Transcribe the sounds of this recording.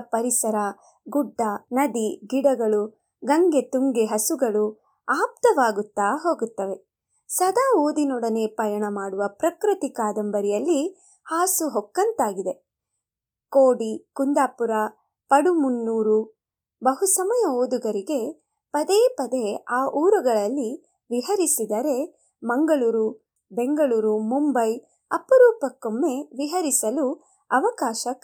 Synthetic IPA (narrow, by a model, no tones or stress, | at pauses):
pɐɾisɐɾɐ | ɡuɖːɐnɐd̪iɡiɽɐɡɐɭu | ɡɐŋɡe̞t̪uŋɡeɦɐsuɡɐɭu | aːp̚t̪ɐʋaːɡut̪ːaːɦo̞ːɡut̪ːɐʋe̞ | sɐd̪aːoːd̪inɔɽɐne̞ːpɐjɐɳɐmaːɽuʋɐpɾɐkɾɐt̪ikaːd̪ɐmbɐɾijɐlːi | haːsuɦɔkːɐnt̪aːɡid̪e̞ | koːɽikund̪aːpuɾa | pɐɽumunːuːɾu | bɐɦusɐmɐjɐoːd̪uɡɐɾiɡe̞ | pɐd̪eːpɐd̪eaːʔuːɾɐɡɐɭɐlːi | ʋiɦɐɾisid̪ɐɾe̞ | mɐŋɡɐɭuːɾu | be̞ŋɡɐɭuːɾumumbɐj | ɐpɐɾuːpɐkːomːe̞ʋiɦɐɾisɐlu | ɐʋɐkaːʃɐ